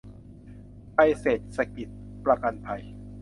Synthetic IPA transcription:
pʰa˧jseː˨˩t̪̚sa˧ki˨˩t̪̚pɾa˧ka˧npʰa˧j

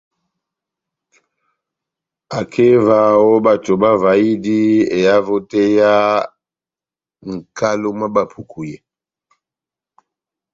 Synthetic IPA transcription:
a˨kʰe˦va˨wɔ˦ba˨to˨ba˦va˨i˦di˦e˨ja˦vo˦tɛ˦ja˦ | ŋ̩˨ka˦lo˦ma˦ba˨pʰu˨kʰu˨jɛ˨

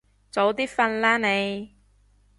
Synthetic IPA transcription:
t͡so˨˧˥wt̪iː˥fɐ˧nlaː˥ne˨˧j

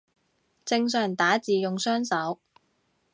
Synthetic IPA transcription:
t͡sɪ˧ŋs̬œː˨˩ŋt̪aː˨˥t͡siː˨jʊ˨ŋsœː˥ŋsɐ˨˥w

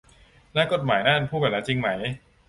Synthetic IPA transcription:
naː˦˥˩ko˨˩t̪̚maː˩˦jnaː˥˩e˧npʰuː˥˩bɛː˨˩laː˦˥t͡ɕi˧ŋma˦˥j

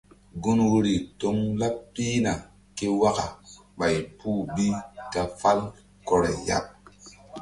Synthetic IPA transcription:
ɡu˦nwu˦ɾi˨to˦ŋla˦pːi˦na˨ | ke˦wa˦ka˨ | ɓa˨jpu˦bi˦ta˨fa˦l | ko˨ɾe˨ja̰˦p̚

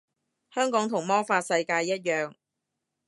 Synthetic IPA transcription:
hœː˥ŋkɔː˨˥ŋt̪ʰʊ˨˩ŋmɔː˥faː˧t̚sɐ˧jkaː˧jːɐ˥t̚jœː˨ŋ

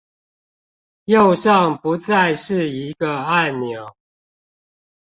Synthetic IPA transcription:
jo˥˨˧ʊʂɑ˥˨ŋpu˨˦t͡sa˥˨ɪʂɻ̩˥˨i˨˦ɡə˧a˥˨˩nnjo˨˩˦ʊ

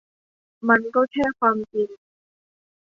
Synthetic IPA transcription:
ma˧nkɔː˥˩kʰɛː˥˩kʰwaː˧mt͡ɕi˧n

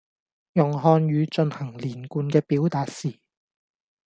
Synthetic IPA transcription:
jʊ˨ŋɦɔː˧njyː˨˧t͡ʃɵ˧nhɐ˨˩ŋliː˨˩nkuː˧nkɛː˧piː˨˥wt̪aː˨˧t̚siː˨˩

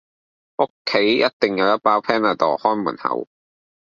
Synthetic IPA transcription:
ʔo˥kʰːe˨˥jjɐ˦˥t̚t̪ɪ˨ŋjɐ˨˧wjɐ˥t̚paː˥wpʰɛː˥naː˨˩t̪ɔ̰ː˨hɔː˥nmuː˨˩nhɐ̰˨˩w

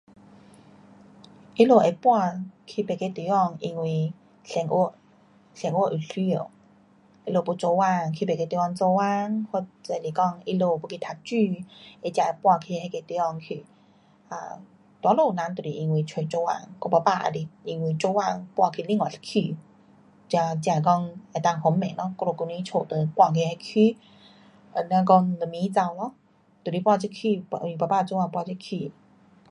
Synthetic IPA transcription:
ʔi˧lo˧˩e˨pwa˥˧kʰi˧˩pe˨ke˧t̪i˨˦ɔ˥˧ŋi˧ŋwi˧˨ | sɛ˧˩˦ŋʔo˥˧˦ | sɛ˧˩ŋwo˧˨ʔu˨˩ɬi˧˦o˨˩ | ʔi˧lo˧˩bu˧˦t͡so˧wa˥˧˨ŋkʰi˧pe˨ke˧t̪u˧˦ɔ˧ŋt͡so˧wa˦˧ŋho˧t͡se˧˨li˨˩kɔ˥˧ŋi˧lo˧˨bu˧kʰi˧t̪ʰa˧˩k̚t͡ɕy˥˧e˧˩t͡ɕja˧e˨˩pwa˧kʰi˧˩he˧ke˧t̪i˧˦ɔ˧˨ŋkʰi˧˩ | a̰˧˩ | t̪wa˨˧˦lo˧˨nã˧˦nt̪u˨˩li˧ʔi˧ŋwi˧˩t͡ɕʰe˧˩˦t͡ɕo˧˦wa̰˧˨ŋkɔ˧pa˧˩pa˧ʔa̰˧di˧ʔi˧ŋwi˧t͡so˧˦wa˧˨ŋpwa˧kʰi˧˨lĩ˧˨ŋɔ˨˩˨sḁ˧kʰi˧˩ | t͡ɕja˧t͡ɕa˧˨kɔ˥˧ŋe˨˩˨t̪a˧˨ŋhɔ˨˦mmɛ̃˨lɔ˧˦kɔ˧lo˧˩ku˧nĩ˦t͡ɕʰo˧˨˩t̪ə˧˦pwa˧˨kʰi˧ha˧kʰi˧˩ | ə˧nã˧kɔ˥˧ŋlə˨˩mĩ˧˦t͡sa˧wlɔ˦ | t̪wli˨˦˩pwa˥˧t͡ɕi˦˥kʰi˧˨˧i˧˩pa˨˩paː˦˧˨t͡so˧˦wa˧˨pwa˧˨t͡ɕi˦˧˥kʰi˧˨

